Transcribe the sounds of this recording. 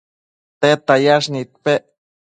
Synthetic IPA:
t̪et̪ajaʂ̬nit̪̚peʔ

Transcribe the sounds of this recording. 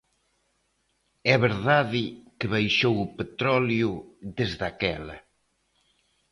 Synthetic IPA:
ɛβeɾðaðɪkeβajʃowʊpet̪ɾɔljuðezðakɛlɐ̰

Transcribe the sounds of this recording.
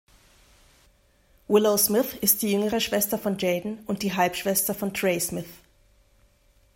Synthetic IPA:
wɪloʊsmɪθɪst̚d̥iːjʏŋəʁəʃv̥ɛstɐfɔnd͡ʒeːdn̩ʔʊnt̚d̥iːɦalpʃv̥ɛstɐfɔntʁ̥eɪsmɪθ

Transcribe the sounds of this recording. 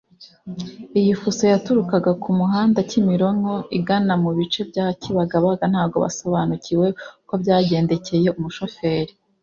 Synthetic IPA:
ijifuso̞jatuɾukaɡakʰumuɦaːndacimiɾo̞ŋho̞iɡanamuβit͡ʃe̞bɟaːhciβaɡaβaɡan̥haːb̚ɡo̞βa̰so̞βanucʰiwe̞ko̞bɟaːɟe̞ːnde̞ce̞je̞umuʃo̞fe̞ːɾi

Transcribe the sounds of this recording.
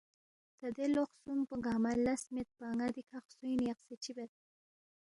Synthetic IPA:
t̪ad̪eloχsumpəɡɑmalasmet̪̚paŋad̪ikʰaχsujnjaqset͡ʃibet̪̚

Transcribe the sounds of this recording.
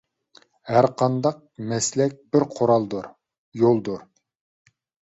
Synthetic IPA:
hæɾqʰɑnd̪ɑq̚mɛslɛk̚ʲbɪɾqʰoɾɑlˠd̪uɾ | jolˠd̪uɾ

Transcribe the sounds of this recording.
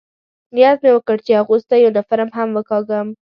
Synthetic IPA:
nijat̪̚mewəkəɽt͡ʃeaɣust̪ajownafaɾamɦamwəkɑɡəm

